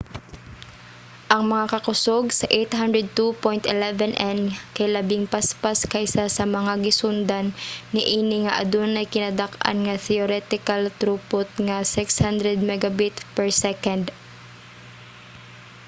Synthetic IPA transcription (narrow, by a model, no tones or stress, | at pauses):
ʔɐŋmɐŋakɐkʊsoɡsɐʔɛjt̪ɦand̪ɾɛd̪̚t̪upojnt̪ʔɪlɛvɛnʔɛnkɐjlɐbɪŋpaspaskɐjsasɐmɐŋaɡɪsʊnd̪annɪʔiːnɪŋɐʔɐ̰d̪onʔɐjkɪnad̪akʔa̰nŋɐθɛoɾɛt̪ɪkɐlt̪ɾupʊt̪̚ŋɐsɪkshand̪ɾɛd̪̚mɛɡɐbɪt̪pɛɹsɛkɐnd̪